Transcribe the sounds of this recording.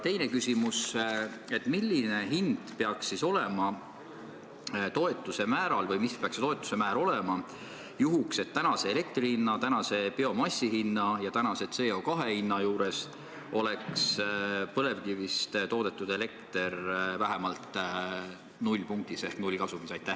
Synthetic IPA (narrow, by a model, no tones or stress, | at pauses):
t̪e̞jnekysʲimus | e̞t̪ːˑmilʲːine̞ɦind̪̥pe̞ɑksːiso̞le̞mɑ | t̪o̞e̞t̪ːˑuse̞mæːɾɑlvɤjmispeɑkset̪o̞et̪ːˑu̥se̞mæːɾo̞lemɑ | juɦukse̞t̪ːænɑse̞ːle̞k̚t̪riinːɑt̪ænɑse̞peo̞mɑsʲːihinːɑjɑt̪ænɑse̞t̪se̞ːo̞ːkɑɦe̞hinːɑjuːɾe̞s | o̞le̞kspɤ̞le̞vkivist̪t̪o̞ːd̪̥e̞t̪ːˑud̪̥e̞le̞kt̪e̞ɾvæɦemɑlt̪ | nulʲpuŋk̚t̪ise̞hknulʲkɑsumisɑjt̪ːæh